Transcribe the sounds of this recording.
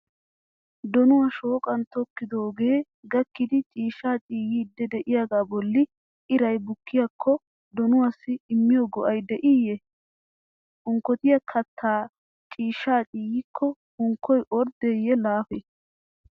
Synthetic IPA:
d̪ɔnʊwɐʃo̞ːkʼɐnt̪ɔkːɪd̪o̞ːɡe̞ː | ɡɐkːɪd̪ɪt͡ʃʼiːʃaːt͡ʃʼiːjiːd̪ɛd̪ɛʔɪjaɡaːbɔlːɪ | ɪɾɐjbʊkːɪjakʰːɔ | d̪ɔnʊwɐsːɪːmːɪjɔɡɔʔɐjd̪ɛʔijɛ | ʊŋkːɔt̪ɪjɐkʰɐt̪ʰːaː | t͡ʃʼiːʃːaːt͡ʃʼiːjikʰːɔ | ʊŋkʰːɔjʔɔɾd̪ejːɛlaːfe

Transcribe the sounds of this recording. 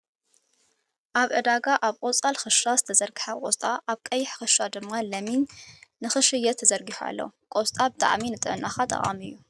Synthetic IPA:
ʔaβʕɨd̪aɡaʔaβkʼot͡sʼalxɨʃazɨt̪ʰɐzɐɾɡɨħakʼost̪ʼaʔaβkʼɐjːɪħxɨʃad̪ɨmːalɐminːɨxɨʃɨjɐt̪ʰːɐzɐɾɡiħua̰lːɐ̰kʼost̪ʼabɨt̪ʼa̰ʕminɨt̪ʼɨʕɨnʔaxat̪ʼɐ̰χʼa̰mɨjːu

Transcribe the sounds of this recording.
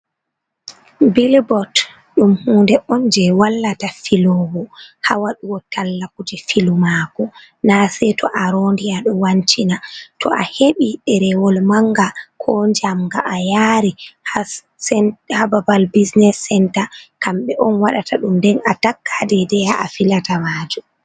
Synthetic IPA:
bilbɔt | ɗumhuːndɛʔɔnd͡ʒɛwalːatafilɔɡɔhawaɗuwɔtalːakud͡ʒifilumaːkɔ | nasɛtɔʔaɾondiaɗɔwant͡ʃinatʰɔ̰ʔaheɓiɗɛɾɛwɔlmaŋɡakʰɔɲd͡ʒamɡaʔajaɾiha | hababalbisnɛsɛntakamɓɛʔɔnwaɗatʰaɗumdɛnatakːadɛdɛjaʔafilatamad͡ʒum

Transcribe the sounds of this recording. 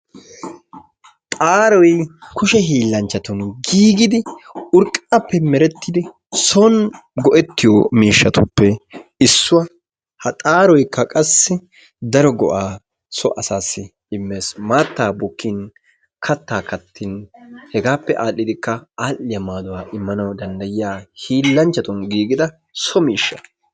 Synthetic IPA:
t̪ʼaːɾɔjkʊʃɛɦiːlːɐnt͡ʃːɐt̪ɔnɡiːɡɪd̪ɪʊɾkʼɐpːɛmɛɾɛt̪ːɪd̪ɪ | sɔnɡɔʔɛt̪ːɪjɔmiːʃːɐt̪ʊpːɛɪsːʊwɐ | hɐt̪ʼaːɾɔjkːɐkʼɐsːɪ | d̪ɐɾɔɡɔ̰ʔaː | sɔʔɐsaːsːɪ | ɪmːe̞ːsmaːt̪ːaːbʊkːin | kʰɐt̪ːaːkɐt̪ːɪnhɛɡaːpːɛʔaːlːɪd̪ɪkːɐaːlːɪjɐmaːd̪ʊwaːʔɪmːɐnɐwd̪ɐnd̪ɐjɪjaːhiːlːɐnt͡ʃːɐt̪ɔnɡiːɡɪd̪ɐ | sɔmiːʃːɐ̰

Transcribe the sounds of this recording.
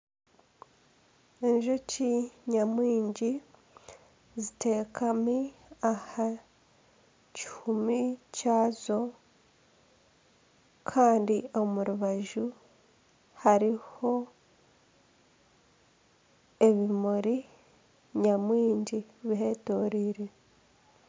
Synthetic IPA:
e̞ɲʒo̞ciɲamwiːɲɟi | zite̞ːkʰamiaha | ci̥humicaːzo̞ | kʰaːndio̞muɾuβaʒu | haɾiho̞ | e̞βimuɾi | ɲamwiːɲɟiβiɦe̞ːto̞ːɾiːɾe̞

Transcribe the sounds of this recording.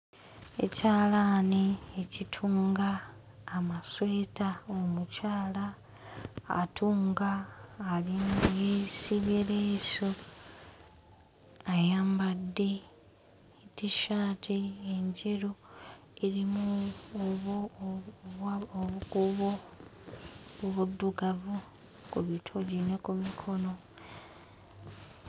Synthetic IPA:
e̞̰caːlaniecitʰuːŋɡaː | maswe̞ːtaomucaːla̰ː | tʰuːŋɡaːlinajesiβeɾeso̞ | ajaːmbadːe̞ | tiʃaːtʰieɲɟeɾo | eɾimu | βo | akuβo | oβudːuɡavu | kuβitʰoɟinekumikʰo̞no̞

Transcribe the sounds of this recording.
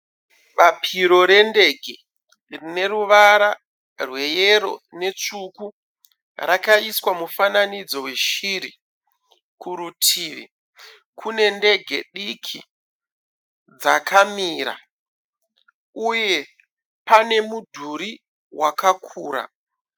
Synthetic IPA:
ɓapʰiɾo̞ɾe̞nde̞ɡʱe | rine̞ɾuʋaɾa | rwe̞jeɾo̞̰ne̞t͡ʂuku | rakaiswamufananid͡zo̞we̞ʃiɾi | kuɾutʰiːʋḭ | kʰune̞nde̞ɡʱe̞̰ɗikʰi | d͡zakʰamiːɾa̰ | uje̞ | pane̞mudʱuɾi | wakakʰuːɾa̰

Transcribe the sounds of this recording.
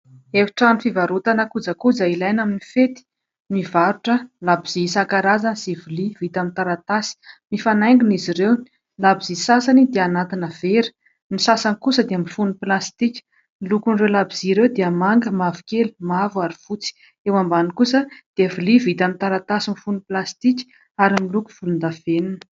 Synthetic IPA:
eviʈ͡ʂanifivaɾut̪anakud͡zakud͡zailajnaminifet̪i̥ | mivaɾuʈ͡ʂəlabiz̥isakaɾazanz̥ivulivit̪amint̪aɾat̪asi̥mifanajŋɡuniziɾew | labizisasanid̪eanat̪inəv̥eɾi̥ | nisasanikusəd̪emifunuplast̪ikʲə̥ | milukunrewlabiziɾewd̪eəmaŋɡəmavu̥kʲelumavuaɾifut͡si̥ | ewambanikusəd̪̥eəvilivit̪amit̪aɾat̪asimifunuplast̪ikʲə̥ | aɾimiluku̥v̥ulund̪av̥eninə̥

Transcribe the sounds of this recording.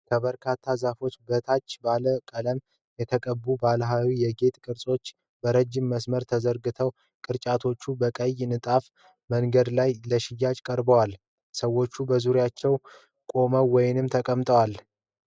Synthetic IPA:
kʰəbəɾkʰat̪ʰːazafo̞t͡ʃːbət̪ʰat͡ʃːbaləkʼələm | jɛt̪ʰəkʼəbːubalɦawijɛɡe̞t̪kʼɨɾsʼo̞t͡ʃː | bəɾəd͡ʒɪmːəsməɾt̪ʰəzəɾɡɨt̪ʰəw | kʼɨɾt͡ʃʼat̪ʰo̞t͡ʃːubəkʼəjnɨt̪ʼaf | məŋɡəd̪lajləʃɪjːat͡ʃkʼəɾbəwal | səwːo̞t͡ʃːubəzuɾjat͡ʃːɛw | kʼo̞məwɔjɪnɨmt̪ʰəkʼəmt̪ʼəwal

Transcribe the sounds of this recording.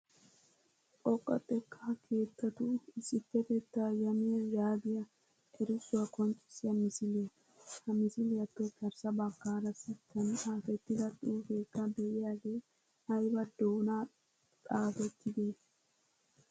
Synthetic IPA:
pʼɔkʼːɐ̰t̪ʼɛkʰːakʰe̞ːt̪ʰːɐt̪ʊɪsɪpːɛt̪ɛt̪ːajɐmɪjɐjaːɡ̪ɪjɐ | ʔɛɾɪsʊwɐkɔnt͡ʃʼːɪ̥sɪjɐmɪsɪleː | hɐmɪsɪlɪjɐt̪ːokɐɾsɐbɐkːaːɾɐsɪt̪ʰːɐnaːfɛt̪ːɪd̪ɐt̪ʼɪfeːkːɐd̪ɛʔɪjaːɡeː | hɐjbɐd̪oːna | t̪ʼaːfɛt̪ʰːɪd̪eː

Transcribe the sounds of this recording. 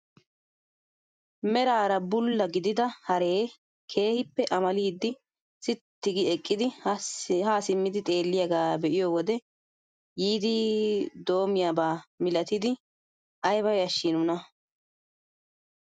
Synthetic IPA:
mɛɾaːɾɐbʊlːɐɡɪd̪ɪd̪ɐhɐɾe̞ː | kʰe̞ːhɪpːɛʔɐmɐliːd̪ːɪ | sɪt̪ːɪɡɪɛkʼːɪd̪ɪ | haːsɪmːɪd̪ɪt̪ʼe̞ːlːɪjɐɡaːbɛʔɪjoːwɔd̪ɛ | jiːd̪ɪd̪o̞ːmɪjaːbaːmɪlɐt̪ɪd̪ɪ | ʔɐjbɐjɐʃːɪnʊnɐ

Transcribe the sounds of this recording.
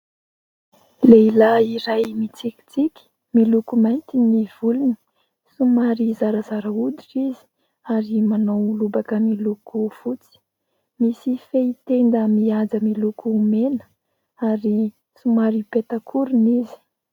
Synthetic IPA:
leilaiɾajmit͡siki̥t͡sikʲi̥ | milukumajnt̪iniv̥uluni̥ | sumaɾizaɾəzaɾəud̪iʈ͡ʂizi̥ | aɾimanowulubakəmilukuv̥ut͡si̥ | misifeit̪end̪əmiad͡zəmilukuːmenə̥ | aɾi | sumaɾipet̪akʰuɾunizi̥

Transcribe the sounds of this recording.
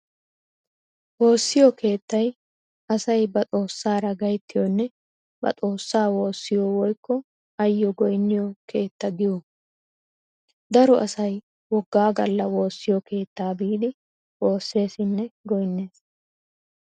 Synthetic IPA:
wo̞ːsːɪjɔke̞ːt̪ːɐj | ɐsɐjbɐt͡sʼo̞ːsːaːɾɐɡɐjt̪ːɪjɔnːɛ | bɐ̰t͡sʼo̞ːsːaːwo̞ːsːɪjɔwɔjkːɔ | ɐjːɔɡɔjnːɪjɔkʰe̞ːt̪ːɐɡɪju | d̪ɐɾɔʔɐsɐj | wɔɡːaːɡɐlːɐwo̞ːsːɪjɔkʰe̞ːt̪ːaːbiːd̪ɪ | wo̞ːsːe̞ːsɪnːɛɡɔjnːe̞ːs

